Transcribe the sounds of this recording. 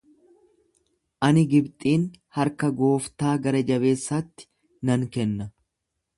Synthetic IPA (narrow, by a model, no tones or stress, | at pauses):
ʔɐnɪɡɪbt̪ʼiːn | hɐɾkɐɡo̞ːft̪aːɡɐɾɐd͡ʒɐbe̞ːsːaːt̪ːɪ̥ | nɐŋkɛnːɐ